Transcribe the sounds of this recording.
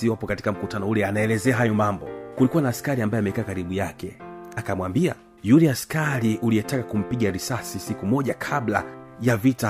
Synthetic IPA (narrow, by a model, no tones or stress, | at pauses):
iwapɔkati̥kam̩kutanɔulɛanaɛlɛzɛaɦajɔmambɔkulikuwanaːskaɾiambajɔamɛkaːkaɾiɓujakɛakamwambia̰ | julɛaskaɾiʔuliɛtakakum̩piɠaɾisasisikumɔʄakʰabla̰javita